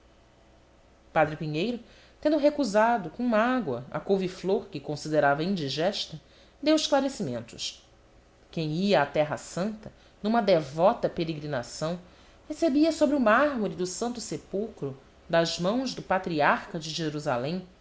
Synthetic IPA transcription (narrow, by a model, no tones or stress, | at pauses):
pad̪ɾɪpiɲejɾʊ | t̪ẽnd̪ʊɦekuzad̪ʊkõũmɐaɡwɐ̰ɐ̰kowvifloɾkɪkõsid̪eɾavɐĩnd͡ʒiʒɛʃt̪ɐ | d̪ewɪʃklaɾesimẽnt̪ʊʃ | kẽj̃iɐːt̪ɛɦɐsɐ̃nt̪ɐ | nũmɐd̪evɔt̪ɐpeɾeɡɾinasɐ̃w̃ | hesebiɐsobɾɪʊmaɦmɔɾid̪ʊsɐ̃nt̪ʊsepuwkɾʊ | d̪ɐzmɐ̃w̃zd̪ʊpat̪ɾiaɾkɐd͡ʒɪʒeɾuza̰lẽj̃